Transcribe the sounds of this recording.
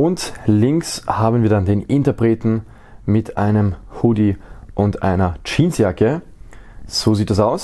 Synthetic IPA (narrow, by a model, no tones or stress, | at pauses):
ʔʊntlɪŋkshaːbənviːɐdandeːnʔɪntɐpʁ̥eːtn̩ | mɪtʰʔa̰ɪnəmhʊdiʔʊntʔa̰ɪnɐt͡ʃiːnsjakə | z̥oːziːt̚d̥asaʊs